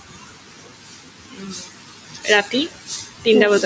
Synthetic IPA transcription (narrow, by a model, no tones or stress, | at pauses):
ɾat̪it̪ind̪aəd̪